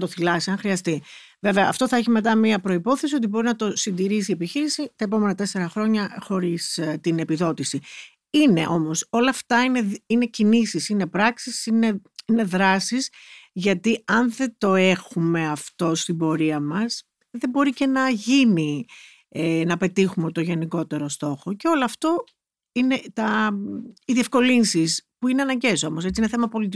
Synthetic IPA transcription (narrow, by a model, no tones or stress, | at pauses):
t̪oθilɐsiɐŋxɾiɐst̪i | ve̞veɐːft̪o̞θɐçime̞t̪̬ɐmiɐpɾo̞ipo̞θesio̞t̪̬ibo̞ɾinɐt̪o̞sind̪iɾisie̞piçiɾisit̪ɐep̬o̞me̞nɐt̪e̞se̞ɾɐxɾo̞ɲɐxo̞ɾist̪ine̞piðo̞t̪isi | ine̞̰ʔo̞mo̞so̞lɐːft̪ɐine̞ine̞cinisisine̞pɾɐksisine̞ine̞ðɾɐsizʝɐt̪iɐnðe̞d̪o̞exume̞ɐft̪o̞st̪ibo̞ɾiɐmɐs | ðe̞bo̞ɾice̞nɐʝini | nɐpe̞t̪ixumet̪oʝe̞niko̞t̪e̞ɾo̞st̪o̞xo̞ce̞o̞loɐft̪o̞ | ine̞t̪ɐ | iðie̞fko̞linsispuineɐnɐɲɟe̞so̞mo̞s̬et͡siine̞θemɐpo̞lit̪i